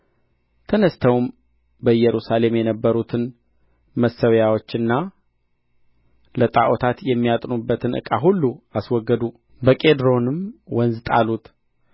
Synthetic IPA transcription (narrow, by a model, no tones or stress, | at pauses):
t̪ʰənəst̪ʰəwm | bəjɛɾusale̞mjɛnəbːəɾut̪ʰɨn | məsːəwjawo̞t͡ʃːɨnːa | lət̪ʼaʔot̪ʰat̪jɛmːijat̪ʼnubːət̪ʰɨnʔɨ̰kʼaɦulːuaswɔɡːəd̪u | bəkʼe̞d̪ɾo̞nɨmwɔnzt̪ʼalut̪